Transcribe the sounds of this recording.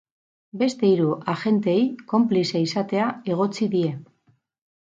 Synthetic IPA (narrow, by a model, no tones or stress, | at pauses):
be̞st̪e̞iɾuʔaxe̞nt̪eːjko̞mpliseisat̪e̞ae̞ɣ̞o̞t͡siðie̞